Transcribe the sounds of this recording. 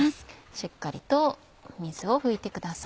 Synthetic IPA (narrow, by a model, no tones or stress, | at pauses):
ɕikːaɾʲḭt̪o̞ | mʲiz̥ɨo̞ɸɯ̟it̪e̞kɯ̟d̪as